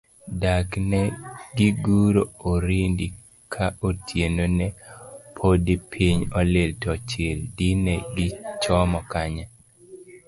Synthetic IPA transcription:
daknɛɡiɡuɾooɾindi | kʰaʔotʰjenonɛpʰodipʰiɲɔlɪltɔt͡ʃɪldinɛɡɪt͡ʃɔmɔkaɲa

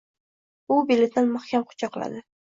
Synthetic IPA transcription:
ʊbelʲet̪̚d̪anmaχkʲamqʰʊ̥t͡ʃʰɑqlˠa̰d̪ɪ

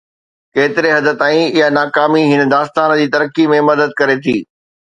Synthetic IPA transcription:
keːt̪ɪɾeɦɐd̪ət̪ãːĩɪɦanaːkaːmiɦɪnə̆d̪aːst̪aːnd͡ʑiːt̪ɐɾəkimẽmɐd̪əd̪̚kɐɾet̪ʰiː

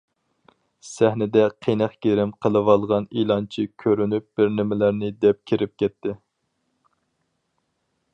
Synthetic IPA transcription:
sæhnɪd̪ɛqʰenæqɡʲeɾɪmqʰəlˠɨwɑlˠʁɑnilˠɑnt͡ʃʰikʲʰøɾynyp̚b̥ɪɾnɪmɪlæɾnɪd̪ɛp̚kʲʰiɾɪp̚kʲʰɛt̪ːɪ

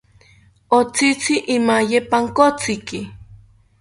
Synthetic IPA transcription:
ot͡sit͡sɪʔːmajepaŋkot͡sɪkɪ

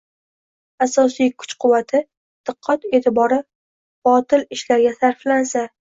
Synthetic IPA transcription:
asɒsijkʰʊ̥t͡ʃqʰʊwːat̪ʰɪ | d̪̥ɨqʰːɒt̪e̞ːt̪ʰɪbɒɾɪ | b̥ɒt̪ʰɪlɪʃlaɾɡʲasaɾflansa

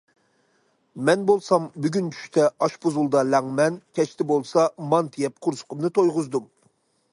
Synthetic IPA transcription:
mɛnbolˠsɑmbyɡʲynt͡ʃʰy̥ʃt̪ʰɛɑʃpuzulˠd̪ɑlɛŋmɛnkʲʰɛt͡ʃt̪ʰɪbolˠsɑmɑnt̪ʰijɛp̚qʰʊɾsʊ̥qʊmnɨt̪ʰojʁʊzd̪um

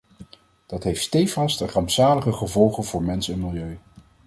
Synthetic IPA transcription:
d̥ɑtɦejftstejfɑstərɑmpsaːləχəχəvɔlˠχənvʊːɹmɛnsɛnmɪlˠjøɥ

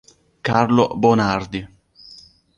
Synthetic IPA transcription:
karlo̰bonard̪i

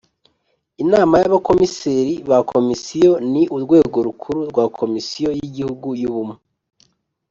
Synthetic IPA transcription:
inaːmajaβako̞miseɾiβakʰo̞misijo̞niʔuɾɡwe̞ːɡo̞ɾukʰuɾuɾɡwaːkʰo̞misijo̞jiɟihuɡujuβume

